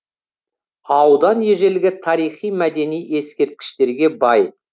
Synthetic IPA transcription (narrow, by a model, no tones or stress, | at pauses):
ɑwd̪ɑnje̞ʒe̞lɡʲɪt̪ʰɑɾijχijmæd̪e̞nije̞skʲe̞ɾt̪̚kʲɪ̥ʃt̪e̞ɾɡʲe̞bɑj